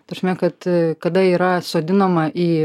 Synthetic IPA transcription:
tɐsʲmʲɛkɐt̪kɐd̪ɐiːɾɐsoːd̪ʲɪnɐmɐʔiː

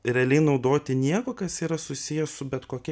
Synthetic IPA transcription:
ɾʲɛɐlʲɛɪnɐʊd̪oːt̪ʲɪnʲiɛkoːkɐsiːɾɐsʊsʲijɛssʊbʲɛt̪koːkʲɛ

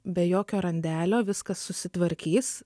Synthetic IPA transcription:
bʲɛjoːkʲoːɾɐnʲd̪ʲæːlʲoːʋʲɪskɐsːʊsʲɪt̪ʋɐɾʲkʲiːs

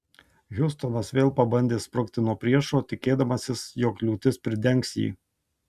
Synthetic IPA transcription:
ɣʲʊst̪ɔnɐsʋʲeːlˠpɐbɐnʲd̪ʲeːspɾʊkt̪ʲɪnuɔpʲɾʲiɛʃoːt̪ʲɪkʲeːd̪ɐmɐsʲɪsjoːklʲuːt̪ʲɪspʲɾʲɪd̪ʲɛŋˑksjḭː

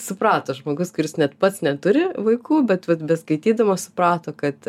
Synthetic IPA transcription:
sʊprɑːt̪oːʒmoːɡʊskʊɾʲɪsnʲɛt̪pɐt̪snʲɛt̪ʊɾʲɪʋɐɪkuːbʲɛt̪ʋɐt̪bʲɛskɐɪt̪ʲiːd̪ɐʋoːsʊpɾɑːt̪oːkɐt̪

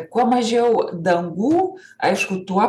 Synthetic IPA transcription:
kʷamaʒawd̪aŋɡu | a̰jʂkut̪ua

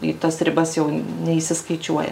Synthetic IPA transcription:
ɪt̪ɐsɾʲɪbɐsjɛʊnʲɛiʃsʲɪskɐɪt͡ʃʲuɔjɛ̰

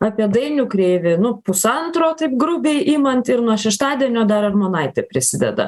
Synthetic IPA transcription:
ɑpʲiɛd̪ɐɪnʲʊkɾʲeːʋʲɪnʊpʊsɐnt̪ɾoːt̪ɐɪpɡɾʊbʲeɪʔimɐnt̪ɪɾnuɔʃʲɛʃt̪ɑːd̪ʲiɛnʲoːd̪ɐɾɐrmoːnɐɪt̪ʲɛpʲɾʲɪsʲɪd̪ʲɛ̰d̪ɐ̰

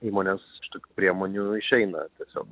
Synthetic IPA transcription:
iːmoːnʲesʃt̪oːkʲuːpʲɾʲiɛmoːnʲuɪʃʲɛɪnɐ̰t̪ʲiɛsʲo̰ːk

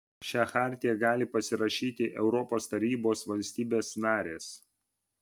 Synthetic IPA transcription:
ʃʲæːxɑːɾʲt̪ʲɪjɛɡɑːlʲɪpɐsʲɪɾɐʃʲiːt̪ʲɪʔɛʊɾɔpoːst̪ɐɾʲiːboːsʋɐlʲsʲt̪ʲiːbʲeːsnɑːɾʲeːs

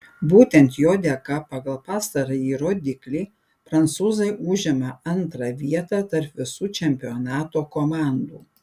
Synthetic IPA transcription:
buːt̪ʲɛnt̪joːd̪ʲɛkɐpɑɡɐlˠpɑːst̪ɐɾɐjiːɾoːd̪ʲɪklʲiː | pɾɐnt̪suːzɐɪʔʊʒʲɪmɐɐnt̪ɾɐʋʲiɛt̪ɑt̪ɐɾpʋʲɪsuːt͡ʃʲɛmʲpʲɪɔnɑːt̪oːkomɑˑnd̪uː

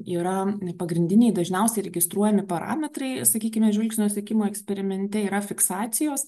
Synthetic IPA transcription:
iːɾɐpɐɡɾʲɪnʲd̪ʲɪnʲɛɪd̪ɐʒʲnʲɛʊsʲɛɪɾʲɛɡʲɪst̪ɾuɔjɛmʲɪpɐɾɑ̰ːmʲɛt̪rɐɪsɐkʲiːkʲɪmʲɛʒʲʋʲɪlʲkʲsʲnʲoːsʲɛkʲɪmoːɛksʲpʲɛɾʲɪmʲɛnʲt̪ʲɛiːɾɐfʲɪksɑːt̪sʲɪjoːs

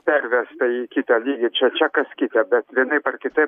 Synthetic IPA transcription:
pʲɛɾʲʋʲɛst̪ɐjikʲit̪ʲɛlʲiɡʲɪt͡ʃɛt͡ʃʲɛkɐskʲit̪ʲɛbʲɛt̪ʋʲɪnɪpɛrkʲɪt̪ɪ

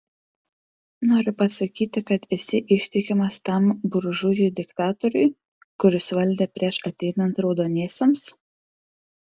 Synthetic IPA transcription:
noːɾʲʊpɐsɐkʲiːt̪ʲɪkɐt̪ɪsʲɪʔɪʃʲt̪ʲɪkʲɪmɐst̪ɐˑmbʊɾʒʊjʊd̪ʲɪkt̪ɑːt̪ɔɾʲʊɪ | kʊɾʲɪsʋɐlʲd̪ʲeːpʲɾʲiɛʃɐt̪ʲɛɪnɐnt̪ɾɒʊd̪oːnʲiɛsʲɛms

